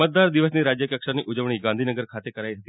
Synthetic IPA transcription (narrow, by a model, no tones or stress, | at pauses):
ət̪̚d̪aɾd̪iʋəsniɾad͡ʒjəkjəkʂəɾniʔʊd͡ʒəʋɽ̃iɡãnd̪ʱinəɡəɾkʰat̪ekəɾaiɦət̪i